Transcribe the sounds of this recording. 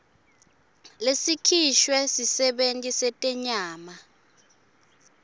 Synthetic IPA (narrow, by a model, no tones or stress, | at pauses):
lesikʰiʃwɛsisɛɓentʼisɛtʼɛɲaːma